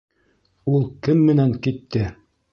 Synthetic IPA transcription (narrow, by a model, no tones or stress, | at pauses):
ulˠkɘmːɘ̆næŋkit̪ːɘ